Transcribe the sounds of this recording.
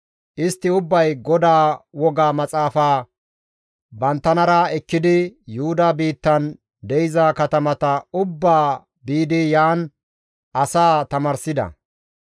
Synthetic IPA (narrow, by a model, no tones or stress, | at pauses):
ʔɪst̪ːɪʊbːɐjɡɔd̪aːwɔɡaːmɐt͡sʼaːfaː | bɐnt̪ːɐnɐɾɐɛkːɪd̪ɪjʊhʊd̪aːbiːt̪ːɐn | d̪ɛjɪzakɐt̪ɐmɐt̪ɐʊbːaː | biːd̪ɪjaːn | ʔɐsaːt̪ɐmɐɾsɪd̪ɐ̰